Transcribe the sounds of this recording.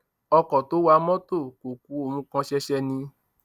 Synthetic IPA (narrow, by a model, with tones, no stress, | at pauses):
ɔ˧kɔ˨to˨˦wa˧˦mɔ̃˦to˦˨ko˨k̚u˨˦o˧˨mũ˧˦kã˧ʃɛ˧ʃɛ˧nĩ˧